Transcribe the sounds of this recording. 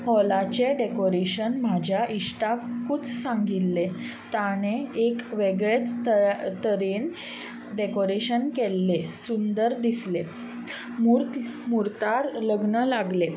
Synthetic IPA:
hɔlat͡ɕeɖekoɾeɕənmad͡ʑʱjaʔiʂʈakut͡ssãŋɡilːe | t̪añeekʋeɡɭet͡st̪əɾen | ɖekoɾeɕənkelːesund̪əɾd̪isle | mu | muɾt̪aɾləɡɳəlaɡle

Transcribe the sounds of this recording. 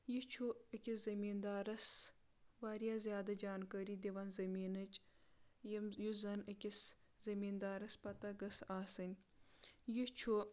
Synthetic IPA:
jit͡ʃʰuəkʲizɐmiːnd̪aːɾɐs | ʋaːɾijazjaːd̪ɐd͡ʒaːnkəɾiːd̪iʋɐnzɐmiːnɐt͡ʃ | jɐmjuzɐnəkʲis | zɐmiːnd̪aːɾɐspɐt̪ɐɡɐsaːsɨnʲ | jit͡ʃʰu

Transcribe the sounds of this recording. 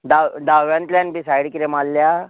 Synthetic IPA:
d̪ad̪aʋjãnt̪lanbisajɽkiɾemalːja

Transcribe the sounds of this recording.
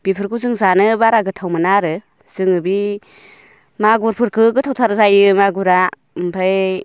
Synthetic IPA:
b̥ipʰɯɾkʰuzɯŋzanɯbaɾaɡɯtʰawmɯnaɾɯ | z̥ɯŋɯbi | maɡuɾpʰɯɾkʰɯɡɯtʰawtʰaɾzajɯmaɡuɾa | mpʰaj

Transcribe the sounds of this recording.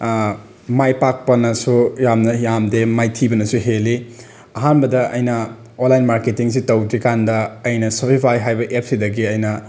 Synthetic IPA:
majpak̚pɐnɐsujamnɐjamdemajtʰibɐnɐsuɦeli | ɐɦanbɐdɐʔɐjnɐ | onlːajnmaɾketiŋs̬itɐwdɾikandɐːjnɐsopʰipʰajɦajbɐʔep̚sidɐɡiɐjnɐ

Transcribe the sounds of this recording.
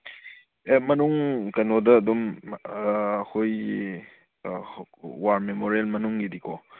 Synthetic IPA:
emɐnuŋkɐnodɐːdum | ɐkʰoj | waɾmemoɾelmɐnuŋːidikʰɔ

